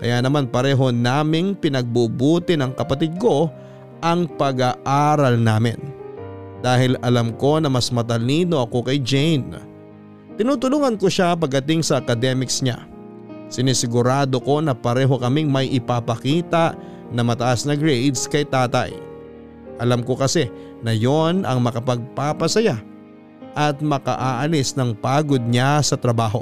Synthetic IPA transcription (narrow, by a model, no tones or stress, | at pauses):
kɐ̰jaːnɐmanpɐɾɛːɦo̞naːmɪŋpɪnɐɡ̚bubuːt̪ɪnɐŋkɐpɐt̪ɪd̪̚ko̞ | ʔɐŋpɐɡaʔaːɾɐlnaːmɪ̰n | d̪̥aːhɪlɐlamko̞nɐmɐsmɐt̪ɐliːno̞ʔɐko̞kɐjd͡ʒɛjn | t̪ɪnuːt̪ʊluːŋɐnkoʃap̬ɐɡ̚ːɐt̪ɪŋsɐʔːkɐd̪ɛmɪksɲa̰ | sɪnɪsɪɡʊɾaːd̪o̞ko̞nɐpɐɾɛːɦo̞kɐmiŋmɐjʔɪpapɐkiːt̪aʔ | nɐmɐt̪ɐʔasnɐɡɹejd̪skɐjt̪aːt̪ɐ̰j | ʔɐlamko̞kɐsɛ | nɐjo̞nʔɐ̰ŋmɐkɐpɐɡ̚papɐsɐja | ʔɐt̪̚mɐkɐ̰ʔaːʔɐlɪsnɐŋpaːɡo̞d̪̚ɲasɐt̪ɾɐbaːɦo̞̰